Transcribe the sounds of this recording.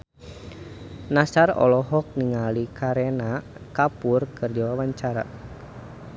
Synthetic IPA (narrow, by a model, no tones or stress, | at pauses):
nasarɔ̰lɔɦɔk̚niŋalikʰaɾɛna | kapurkɨrdiwawaɲt͡ʃaɾa̰